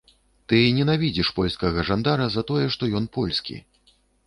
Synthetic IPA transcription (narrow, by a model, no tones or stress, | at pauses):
t̪ɨnʲɛnavʲid͡zʲiʂpɔlʲskɐɣɐʐand̪aɾɐzɐt̪ɔjɛʂt̪ɔjɔnpɔlʲskʲḭ